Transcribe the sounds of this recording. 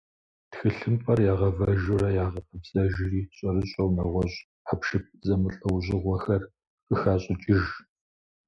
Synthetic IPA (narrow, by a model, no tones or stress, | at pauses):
txɨɬɨmpʼɐrjaːʁɐvɐʒʊɾɐjaːʁɐpʰɨbsʼɐʒɪriːɕʼɐɾɨɕʼɐwnɐʁʷɔɕʼ | ħapʃɨp̚zɐmɨɬʼɐwʑɪʁʷɔxɐr | qəxaːɕʼɪt͡ʃʼɪʒ